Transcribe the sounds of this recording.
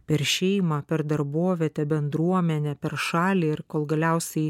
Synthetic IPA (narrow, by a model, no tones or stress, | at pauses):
pʲɛɾʃʲɛɪmɑpʲɛɾd̪ɐɾboɔʋʲɛt̪ʲɛbʲɛnd̪ɾuɔmʲɛnʲɛpʲɛɾʃɑːlʲiːɪɾkoːlˠɡɐlʲæʊsʲɛɪ